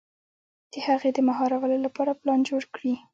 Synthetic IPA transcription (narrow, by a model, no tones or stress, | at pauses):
d̪̥əhaɣed̪əmaɦɑɾawəlolapɑɾaplɑnd͡ʒoɽkɽi